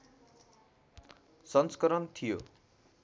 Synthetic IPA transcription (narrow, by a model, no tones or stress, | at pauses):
sʌnskʌɾʌnt̪ʰijo̰